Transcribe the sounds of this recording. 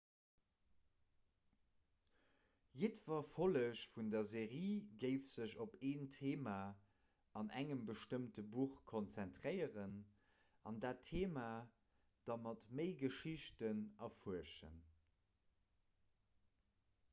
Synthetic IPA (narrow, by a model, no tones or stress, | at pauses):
jetv̥ɐfoləɕfundɐzeːʁiːɡəɪfz̥əʑopeːntʰeːma | ɑnæ̰ŋəmbəʃtəmtəbuχkʰont͡sæntʁəɪəʁən | ɑndaːtʰːeːmaː | d̥ɑmɑtməɪɡəʃiɕtənɑfuəʃə̰n